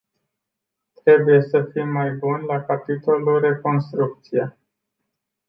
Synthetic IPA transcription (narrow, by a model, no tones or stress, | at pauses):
t̪ɾe̞buje̞səfimːajbunlakapit̪o̞lure̞ko̞nst̪ɾuk̚t̪sija